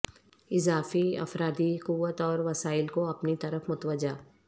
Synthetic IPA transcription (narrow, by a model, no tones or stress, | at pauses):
ɪzaːfiɐ̰fɾaːd̪ikʊʋət̪ɔːɾʋɐsaːɪlkoɐpnit̪ɐɾəfmʊt̪ʋəd͡ʒaː